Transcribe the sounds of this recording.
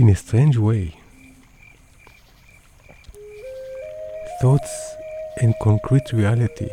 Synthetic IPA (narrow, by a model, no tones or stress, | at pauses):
ɪ̃nestʰɹẽnd͡ʒweɪ | θɔtsʔɛ̃nkʰɔ̃ŋkʰɹitʰɹialitʰḭ